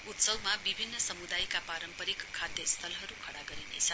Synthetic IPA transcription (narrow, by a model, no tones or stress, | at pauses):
ut̪sʌwmabibʱinːʌsʌmud̪ajkapaɾʌmpʌɾikkʰːad̪jʌst̪ʰʌlɦʌɾukʰʌɽaɡʌɾinḛt͡sʰʌ